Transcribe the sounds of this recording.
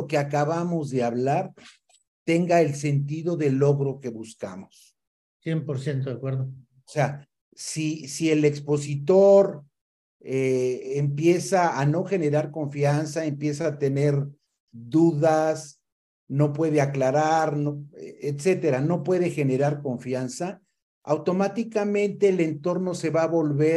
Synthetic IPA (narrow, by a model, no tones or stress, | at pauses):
okeakaβamo̞zðe̞aβlaɾ | t̪e̞ŋɡae̞lse̞nt̪iðo̞ðe̞lo̞ɣɾo̞ke̞βuska̰mos | sjempoɾsjent̪oðjakweɾðo | osea | sisie̞le̞kspo̞sit̪o̞ɾ | eːmpje̞saano̞xe̞ne̞ɾaɾko̞ɱfjansaempje̞saːt̪e̞ne̞ɾ | ðuðas | no̞pwe̞ðe̞aklaɾaɾnoet̪se̞t̪e̞ɾano̞pwe̞ðe̞xe̞ne̞ɾaɾko̞ɱfjansa | a̰wt̪o̞mat̪ikamẽ̞nt̪e̞ːle̞nt̪o̞ɾno̞se̞βaːβo̞lβe